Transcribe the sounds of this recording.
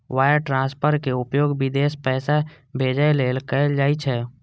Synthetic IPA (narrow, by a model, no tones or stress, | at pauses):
waːjəɾʈɾãːspʰəɾkeʊpjoːɡbɪd̪eːspɛːsa | bʱeːd͡ʒəeleːlkəd͡ʒaːit͡ʃʰɛ